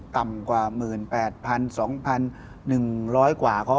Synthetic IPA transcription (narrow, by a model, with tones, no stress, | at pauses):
t̪a˨˩mkwaː˨˩mɯː˨˩npɛː˨˩t̪̚pʰa˧nsɔː˩˦ŋpʰa˧nː | ɯ˨˩ŋɾɔː˦˥jkwaː˨˩kʰɔ˦˥